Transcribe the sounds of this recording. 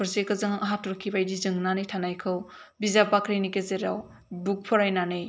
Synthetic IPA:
pʰɯɾsekɯzɯŋɐɦatuɾkʰːibajdizɯŋnanijtʰanajkʰɯw | bizapakʰɾinikezeɾa̰w | buk̚pʰɔɾajnanɯj

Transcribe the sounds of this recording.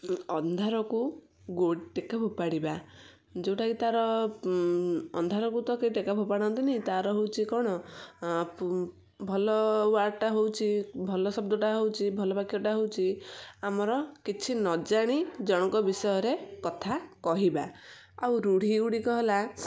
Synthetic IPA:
ɔnd̪ʱaɾɔku | ɡoɽʈekabʱopaɽiba | d͡ʒewʈʰakit̪aɾɔ | ɔ̰nd̪ʱaɾɔkut̪ɔkejʈekabʱopaɽ̃ɔnt̪ineɦĩt̪aɾɔɦowt͡ʃʰikɔɽ̃ɔ | bʱɔlɔaɾʈaɦowt͡ʃʰibʱɔlɔsɔbd̪ɔʈaɦowt͡ʃʰibʱɔlɔbakijɔʈaɦowt͡ʃʰiamɔɾɔkit͡ʃʰinɔd͡ʒaɽ̃id͡ʒɔɽ̃ɔkɔbisɔjɔɾekɔt̪ʰakɔɦiba | awɾuɽ̤iuɽikɔɦela

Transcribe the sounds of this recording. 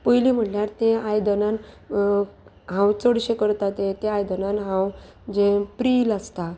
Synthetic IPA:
pəjlim̤əʈljaɾt̪ẽajd̪ənan | ɦãwt͡səɽɕekəɾt̪at̪ẽt̪eajd̪ənanɦãw | d͡ʑepɾiːlast̪a

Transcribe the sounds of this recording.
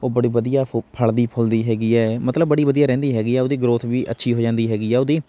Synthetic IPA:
oːbəɽiːʋəd̪ijaːpʰəɭd̪iːpʰʊld̪iːɦɛːɡiːɛːmət̪ləbːəɽiːʋəd̪ijaːɾɛ̃ːnd̪iːɦɛːɡiːɛːoːd̪iːɡɾoːt̪ʰʋiːʔə̰tːʃʰiːɦoːd͡ʒãːnd̪iːɦɛːɡiːɛːod̪iː

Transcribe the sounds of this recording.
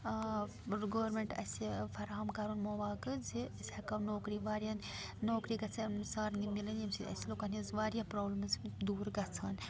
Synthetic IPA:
ɡoːʋɐɾmeɳʈɐ̰sepʰɐɾaːɐmkaːɾunmoːʋaːkɨd͡zisʲakɐwnoːkɾiʋaːɾijɐn | noːkɾiɡɐt͡sʰɐnsaːɾnimilɐnimsiɐ̰siloːkɐnizʋaːɾjapɾoːblɐmzd̪uːɾɡɐt͡sʰɐn

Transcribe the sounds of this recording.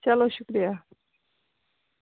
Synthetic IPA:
t͡ʃɐloʃʊkɾija

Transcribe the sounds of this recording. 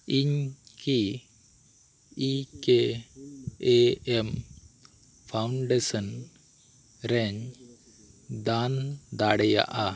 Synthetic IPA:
iɲki | ike | ɛm | pʰawɳɖesən | ɾɛɲ | d̪and̪aɽɛja̰ʔa

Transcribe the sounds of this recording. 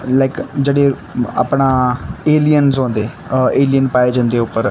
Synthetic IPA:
laɪkd͡ʒeːɽeː | a̰ːpɳaːeːlijənsõːnd̪eː | eːlijənpaːeːd͡ʒãːnd̪eːʊpːəɾ

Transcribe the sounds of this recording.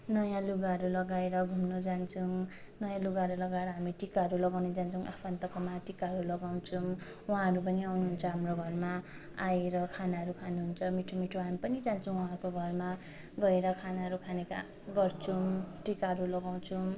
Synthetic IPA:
nʌjãluɡaɦʌɾulʌɡaeɾʌɡʱumnod͡zant͡sʰu | nʌjãluɡaɦɾulʌɡaeɾʌɦamiʈikaɦʌɾulʌɡawned͡zant͡sʰuŋʔapʰant̪ʌkʌmaʈikaɦʌɾulʌɡaw̃t͡sʰu | wɦãɦʌɾup̬ʌniawnuɦunt͡sʰʌɦamroɡʱʌrma | aeɾʌkʰanaɦʌɾukʰanuɦunt͡sʰʌmiʈʰomiʈʰoamipʌnid͡zant͡sʰʌw̃wʌɦãkoɡʱʌrma | ɡʌeɾʌkʰanaɦʌɾukʰaneka̰ | ɡʌrt͡sʰuʈikaɦʌɾulʌɡaw̃t͡sʰũ

